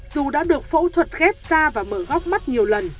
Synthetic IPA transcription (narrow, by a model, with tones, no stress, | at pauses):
zu˨˩ɗa̰ː˧˥ɗɨ˨˩ək̚fo̰˧˥t̪ʰwə˨˩t̚ɣɛ˦˥p̚z̥aː˧vaː˨˩məː˧˩ɣɔ˦˥wk͡p̚ma˦˥t̚ɲi˨˩əwlə˨˩n